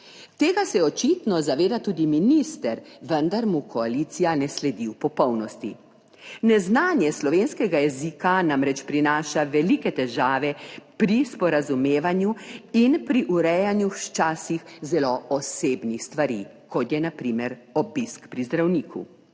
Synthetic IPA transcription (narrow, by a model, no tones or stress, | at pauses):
t̪eːɡasɛjɛɔt͡ʃit̪nɔzaʋeːd̪at̪uːd̪iminist̪ɛɾʋənd̪aɾmukʰɔalit̪sijanɛslɛd̪iwpɔpɔwnɔst̪ḭ | nɛznaːnjɛslɔʋeːnskɛɡajɛziːkanamɾɛt͡ʃpɾinaːʃaʋɛlikɛt̪ɛʒaːʋɛpɾispɔɾazumeːʋanjuinpɾiʔuɾɛjanjuʃt͡ʃaːsixzɛloɔseːbnixst̪ʋaɾḭ | kɔt̪jɛnapɾiːmɛɾɔbiskpɾizd̪ɾawniːkṵ